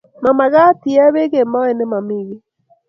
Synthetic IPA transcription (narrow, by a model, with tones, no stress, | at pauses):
ma˨ma˨ɣa˦ti˨ɛ˦βe˦ɣe˨ma˦ɛ˨ne˦ma˨mi˦˨ɣi˦